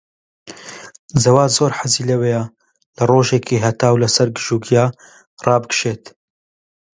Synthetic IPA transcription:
zɐwaːzoːɾħazilɐweja | lɐroːʒekʰiɦɐt̪aːwlɐsɐɾɡɨʒuːɡjaː | rɑːbɨɡʃeːt̪

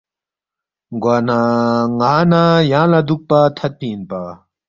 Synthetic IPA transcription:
ɡwanaŋaːnajãːlad̪uk̚pat̪ʰɐt̪̚piːnpa

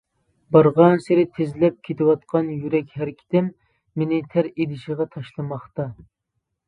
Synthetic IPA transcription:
bɑɾʁɑnseɾɪt̪ʰezɪlɛp̚kʲʰet̪ʰɪwɑt̪̚qʰɑnjyɾɛkʲhæɾkʲʰi̥t̪ɪmː | enɪt̪ʰæɾed̪ɪʃiʁɑt̪ʰɑʃlˠɨmɑχt̪ɑ

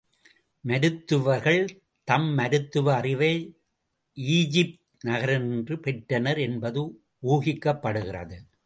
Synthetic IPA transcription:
mɐɾɯt̪ːɯʋɐɾɣɐɭ | t̪ɐmːɐɾɯt̪ːɯʋɐːrɪʋɐɪ | iːd͡ʒɪp̚t̪ | nɐɣɐɾɐnndrɯpɛʈɾɐnɐɾɛnbɐðɯ | uːɣɪkːɐpːɐɽɯɣɪrɐ̰ðɯ

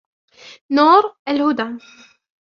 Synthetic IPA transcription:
nuːɾˤælhʊd̪a

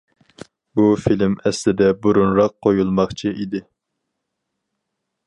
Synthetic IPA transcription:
bufilmɛslɪd̪ɛbuɾunɾɑqʰːojulˠmɑχt͡ʃʰiʔid̪ɪ

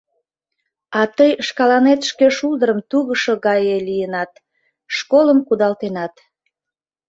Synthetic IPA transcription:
ɑt̪əjʃkɑlɑnet̪ʃkeʃuld̪əɾəmt̪uɣəʃo̽ɣɑjelijənɑt̪ | ʃkoləmkud̪ɑlt̪enɑt̪

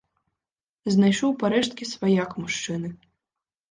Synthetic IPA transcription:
znajʂɔwpaɾɛʂt̪̚kʲisvajakmuʂt͡ʂɨnɨ

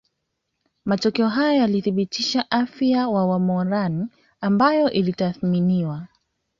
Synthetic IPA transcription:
matɔkɛɔɦajɔjaliθiɓitiʃaʔafiawawamɔɾan | ambajɔʔilitaθminiwa

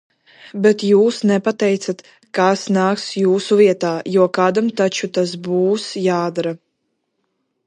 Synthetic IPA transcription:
bɛt̪juːsnɛpat̪ɛjt̪sat̪ | kasnaːksjuːsuviɛt̪aːjuɔkaːd̪amt̪at͡ʃut̪as̬buːsjaːd̪aɾa

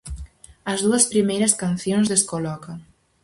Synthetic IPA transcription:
ɐzðuɐspɾimejɾɐskanθjonzðeskolɔkɐŋ

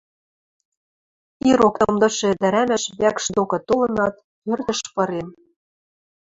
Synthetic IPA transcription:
iɾokt̪ɤ̆md̪ɤ̆ʃĕd̪æɾæmæ̆ʃβækʃd̪okɤ̆t̪olɤ̆nɑt̪ | pørt̪ɘ̆ʃpɤ̆ɾem

